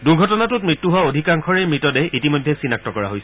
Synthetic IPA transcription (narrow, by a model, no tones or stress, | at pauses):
duɡʱɔtɔnatʊt̚mɹitːuɦuwaodʱikaŋkʰɔɹɛjmɹitɔdɛʔitimojdʱːɛsinak̚tɔkɔɹa̰ɦojsɛ